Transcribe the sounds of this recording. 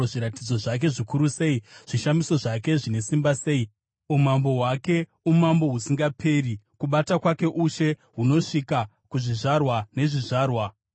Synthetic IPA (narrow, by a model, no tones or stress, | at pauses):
ʐiɾatid͡zo̞ʐak̬e̞ʐikuɾuse̞iʐ̥iʃamiso̞ʐake̞ʐine̞simbase̞ːi | umambo̞wake̞ | umambo̞ɦusiŋɡapʰe̞ːɾikuɓatakwake̞ʔuʃe̞ɦuno̞ʂika | kuʐiʐarwane̞ʐiʐaːrwa